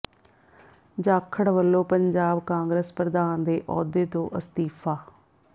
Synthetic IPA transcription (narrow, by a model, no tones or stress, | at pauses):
d͡ʒaːkʰəɽʋəlːoːpəɲd͡ʒaːbkãːŋɡɾeːspɾəd̪aːnd̪eːʔɔːd̪eːt̪õːʔəst̪iːfaː